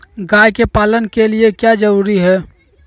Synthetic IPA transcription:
ɡajkepaːlənkeliekjad͡ʒəɾuɾiɦɛː

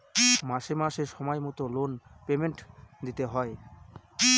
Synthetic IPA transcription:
maʃemaʃeʃɔmɔemɔt̪olonpemeɳʈd̪it̪eɦɔe

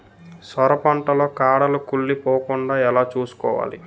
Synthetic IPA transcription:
sɐɾɐpɐɳʈɐlo̞ːkaːɽɐlukuɭːipoːkuɳɖaːɛlaːt͡ʃuːsu̥kɔːʋa̰ːlḭ

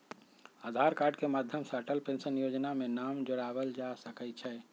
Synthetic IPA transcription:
ad̪ʱaɾkaɾɖkemad̪ʱjəmsəɾʈəlpensənjod͡ʒnamenamd͡ʒoɽabəld͡ʒasəkət͡ʃʰɛ

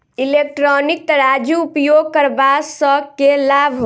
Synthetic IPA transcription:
ilek̚ʈɾɔnik̚t̪əɾad͡ʒuːpjoɡ̚kəɾbasəkelabʱ

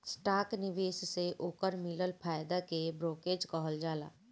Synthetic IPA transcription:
sʈaːknɪʋeːsseʔoːkəɾmɪləlpʰaːjd̪akebɾoːkeːd͡ʒkɔɦəld͡ʒaːla̰ː

